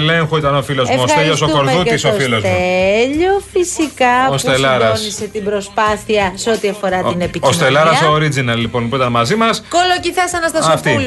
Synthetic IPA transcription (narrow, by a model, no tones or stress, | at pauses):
le̞ŋxoit̪ɐnofilo̞zmost̪eʎos̬okoɾðut̪isoofilozt̪eʎofisikɐost̪elɐɾɐosnise̞t̪ibɾo̞spɐθiɐseot̪iɐfo̞ɾɐt̪inepist̪elɐɾɐsoːɾid͡zinɐlːipo̞npuit̪ɐnmɐzimɐskolociθɐsɐnɐst̪ɐsɐft̪i